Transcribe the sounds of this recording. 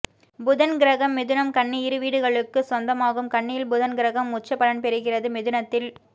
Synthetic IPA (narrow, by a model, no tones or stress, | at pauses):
bʊðɐnɡɪɾɐɣɐmːɛðɯnɐmkɐɳːiɪɾɯʋiːɽɯɣɐɭɯkːɯsɔnd̪ɐmaːɣɯmkɐɳːɪjɪlbʊðɐnɡɪɾɐɣɐmːʊt͡ʃːɐpːɐlɐnpɛɾɯɣɪrɐðɯmɛðɯnɐt̪ːɪl